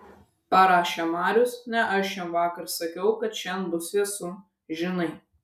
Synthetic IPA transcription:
pɐɾɑːʃʲemɑːɾʲʊsnʲɛʔɐʃjɛmʋɑːkɐɾsɐkʲɛʊkɐt̪ʃʲɛnbʊsʲiɛsʊ | ʒʲɪnɐɪ

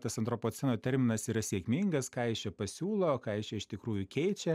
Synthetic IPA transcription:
t̪ɐsɐnt̪ɾopoːt̪sʲɛnoːt̪ʲɛɾʲmʲɪnɐsiːɾɐsʲiɛkmʲiŋɡɐskɑːɪʃʲjʲɛpɐsʲuːlˠoːkɑːɪʃʲt͡ʃʲɛɪʃt̪ʲɪkɾuːjukʲɛɪt͡ʃʲɛ

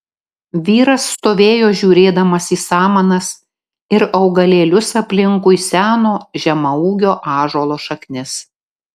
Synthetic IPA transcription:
ʋʲiːɾɐsːt̪oːʋʲeːjoːʒʲuːɾʲeːd̪ɐmɐsiːsɑːmɐnɐs | ɪɾɐʊɡɐlʲeːlʲʊsɐpʲlʲɪŋkʊɪsʲæːnoːʒʲɛmɐuːɡʲoːʔɑːʒoːlˠoːʃɐknʲɪs

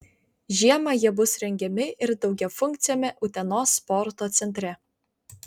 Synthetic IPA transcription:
ʒʲiɛmɑjiɛbʊsɾʲɛŋʲɡʲɛmʲɪʔɪɾd̪ɒʊɡʲɛfʊŋʲk̚t̪sʲɪjoːmʲɛʔʊt̪ʲɛnoːsːpɔɾt̪oːt̪sʲɛnʲt̪ʲɾʲɛ

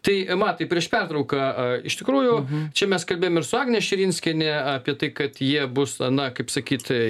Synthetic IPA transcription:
t̪ɐɪmɐt̪ɐɪpʲɾʲiɛʃpʲɛrt̪ɾɐʊkɐɪ̰ʃt̪ʲɪkɾuːjʊt͡ʃʲɛmʲɛskɐlʲbʲeːjomɪɾsʊɑːɡnʲeʃʲɪɾʲinʲsʲkʲɛnʲɛɐːpʲiɛt̪ɐɪkɐt̪jiɛbʊsɐnɐkɐɪpsɐkʲiːt̪

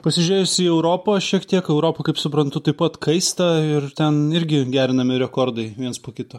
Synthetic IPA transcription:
pɐsʲɪʒʲʉɾʲeːjʊsʲiːɛʊɾoːpɐʃʲiɛkt̪ʲiɛkɛʊɾoːpɐkɐɪpsʊpɾɐnt̪ʊt̪ɐɪppɐt̪kʰɐɪst̪ɐɪrt̪ʲɛnɪɾʲɡʲɪɡʲæːɾʲɪnɐmʲɪɾʲɛkoːɾd̪ɐɪʋʲiɛnspoːkʲɪt̪oː

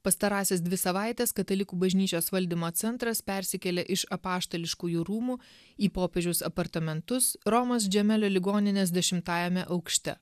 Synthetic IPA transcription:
pɐst̪ɐɾɑːsʲɛs̬d̪ʲʋʲɪsɐʋɑˑɪt̪ʲɛskɐt̪ɐlʲɪkuːbɐʒʲnʲiːt͡ʃʲoːsʋɐlʲd̪ʲiːmoːt̪sʲɛnt̪ɾɐspʲɛɾʲsʲɪkʲɛlʲɛʔɪʃɐpɑːʃt̪oːlʲɪʃkuːjuːɾuːmuː | iːpoːpʲɛʒʲʊsɐpɐɾt̪ɐmʲɛnt̪ʊsɾɔmɐs̬ʒʲɛmʲɛlʲoːlʲɪɡoːnʲɪnʲeːs̬d̪ʲɛʃʲɪmt̪ɑːjɛmʲɛʔɐʊkʃʲt̪ʲɛ̰

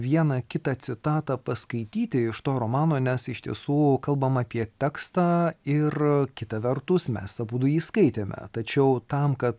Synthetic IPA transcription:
ʋʲiɛnɐkʲɪt̪ɑsʲɪt̪ɑːt̪ɐpɐskɐɪt̪ʲiːt̪ʲɪɪʃt̪oːɾomɑːnoːnʲɛsɪʃt̪ʲiɛsuːkɐlˠbɐmɑːpʲiɛt̪ʲɛkst̪ɑːɪrkʲɪt̪ɐʋʲɛɾt̪ʊsmʲɛ̰ssɐbuːd̪ʊjiːskɐɪt̪ʲeːmʲɛ̰t̪ɐt͡ʃʲɛʊt̪ɐmkɐt̪

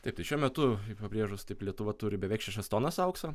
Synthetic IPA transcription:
t̪ɐɪpt̪ɐɪʃʲuɔmʲɛt̪ʊɪpɐbʲɾʲiːʒʊst̪ɐɪplʲiɛt̪ʊʋɐt̪ʊːɾʲɪbʲɛʋʲɛɪkʃʲæʃʲɛst̪oːnɐsɐʊksoː

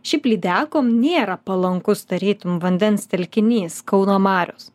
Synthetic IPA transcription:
ʃʲɛɪplʲiːd̪ʲæːkoːmnʲeːɾɐpɐlˠɐŋkʊst̪ɐɾʲiːt̪ʊmʋɐnʲd̪ʲɛnst̪ʲɛlʲkʲɪnʲiːskɒʊnoːmɑːɾʲoːs

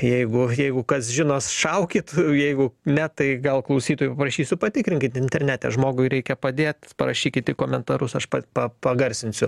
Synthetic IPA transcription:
jɛɪɡʊjɛɪɡʊkɐsʒʲɪnoːsʃɐʊkʲɪt̪jɛɪɡʊnʲɛt̪ɐɪɡɐlˠklˠɐʊsʲiːt̪oːjpɐpɾɐʃʲiːsʲʊpɐt̪ʲɪkɾʲɪŋʲkʲɪt̪ɪnʲt̪ʲɛɾʲnʲæːt̪ʲɛ̰ʒmoːɡʊɪɾʲɛɪkʲɛpɐd̪ʲeːt̪pɐɾɐʃʲiːkʲɪt̪ɪkoːmʲɛnt̪ɐɾʊsɐʃpɐpɐpɐɡɐɾʲsʲɪnʲsʲʊ

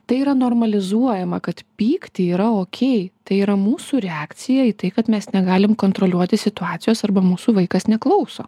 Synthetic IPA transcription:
t̪ɐɪiːɾɐnoːrmɐlʲɪzuɔjɛmɐkɐt̪pʲiːkt̪ʲɪiːɾɐoːkʲʰɛɪt̪ɐɪiːɾɐmuːsuːɾʲɛɑːk̪t͡ssʲɪjɛiːt̪ɐɪkɐt̪mʲɛsnʲɛɡɑːlʲɪmkoːnt̪ɾoːlʲuɔt̪ʲɪsʲɪt̪ʊɑːt̪sʲɪjoːsɐrbɐmuːsuːʋɐɪkɐsnʲɛklˠɐʊsoː

